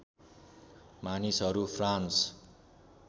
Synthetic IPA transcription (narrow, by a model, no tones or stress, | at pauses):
manisɦʌɾupʰrans